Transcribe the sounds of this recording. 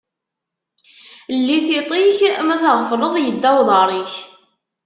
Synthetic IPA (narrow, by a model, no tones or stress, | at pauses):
lːiθit̪ˤiçmæθəʁfəɾˤəðˤjəd̪ːæwðˤɑɾˤiç